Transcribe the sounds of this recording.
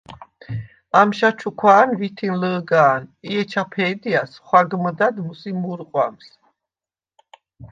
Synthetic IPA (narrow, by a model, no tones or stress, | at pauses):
amʃat͡ʃʰukʰwaːnvit̪ʰinləːɡaːniɛt͡ʃʰapʰɛːd̪iasχwaɡməd̪ad̪musimuɾqʼwa̰ms